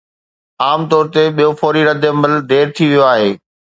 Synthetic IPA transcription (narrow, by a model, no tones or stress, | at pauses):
aːmt̪ɔːɾt̪eɓijofɔːɾiɾɐd̪ʱeməld̪eːɾt̪ʰiʋijoaːɦeː